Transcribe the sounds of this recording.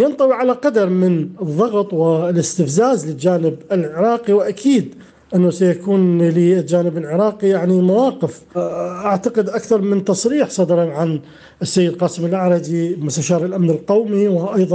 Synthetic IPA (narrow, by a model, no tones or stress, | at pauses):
jɑnt̪ˤɑwiʕalaqɑd̪ɑɾˤmɪnɨðˤːɑɣt̪ˤwɪlɪst̪ɪfzaːzlɪld͡ʒaːnɪbɪlʕɪɾˤɑːqiwʔakʰiːd̪ | ʔɪnːasajakuːnlild͡ʒaːnɪbɪlʕɪɾˤɑːqijaʕnimawɑːqɪf | ʔaʕt̪aqɪd̪ʔakθɑɾˤmɪnt̪ɑsˤɾiːħsˤɑd̪ɾˤɑʕan | ɪsːajːɪd̪qɑːsɪmɪlʔaʕɾˤɑd̪imʊst̪aʃɑːɾˤɪlʔamnɪlqawmiwʔajðˤɑ